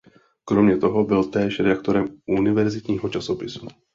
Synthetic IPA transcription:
kɾomɲɛt̪o̞ɦo̞bɪlt̪ɛːʃɾɛdakt̪o̞ɾɛmʔunɪvɛɾzɪt̪ɲiːɦot͡ʃasopɪsu̥

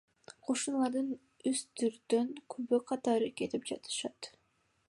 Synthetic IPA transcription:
qʰo̞ʃunlˠɑɾd̪ɯn | yst̪yɾd̪øŋkʰøβøqʰɑt̪ɑɾɯke̞t̪ip̚d͡ʒɑ̰t̪ɯ̥ʃɑt̪

